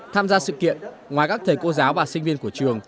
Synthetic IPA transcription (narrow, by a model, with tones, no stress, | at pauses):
t̪ʰaː˧mzaː˧sɨ̰˧˨kḭ˧˨ən | ŋwaː˨˩jkaː˦˥kt̪ʰə˨˩jko˧zaː˨˦wvaː˨˩sï˧ŋ̟vi˧ənku˧˩ət͡ɕɨ˨˩əŋ